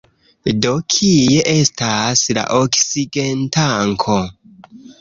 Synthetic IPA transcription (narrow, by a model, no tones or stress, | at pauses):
do̞kʰijeʔe̞stasla̰ʔoksiɡentʰaŋkʰo